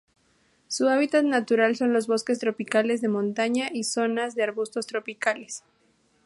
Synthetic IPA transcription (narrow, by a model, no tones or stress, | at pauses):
suaβit̪at̪nat̪uɾalso̞nlo̞zβo̞ske̞s̬t̪ɾo̞pikale̞zðe̞mõnt̪aɲaʔiso̞nazðeaɾβust̪o̞st̪ɾo̞pikale̞s